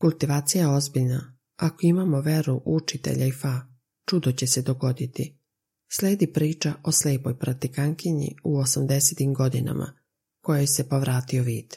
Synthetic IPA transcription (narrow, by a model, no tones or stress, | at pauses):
kulˠt̪iʋaːt̪sijajeo̞zbiʎna | akoimamo̞ʋe̞ɾuʔut͡ʃit̪e̞̰ʎaifa | t͡ʃud̪ot͡ɕe̞se̞d̪o̞ɡo̞d̪it̪i | sle̞ːd̪ipɾiːt͡ʃaʔo̞sleːpo̞jpɾat̪ikaŋkiɲḭuosamd̪e̞set̪imɡo̞d̪ina̰mʔa̰ | ko̞jejse̞po̞ʋɾaːt̪io̞ʋiːd̪̥